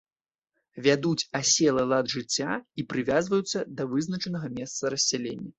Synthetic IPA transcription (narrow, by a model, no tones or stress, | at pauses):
vʲad̪ut͡sʲasʲɛlˠɐlˠɐd̪ʐɨt͡sʲːaipɾɨvʲazvɐjut̪sːɐd̪ɐvɨznɐt͡ʂɐnɐɣɐmʲɛst̪sɐɾɐsʲːalʲenʲːɐ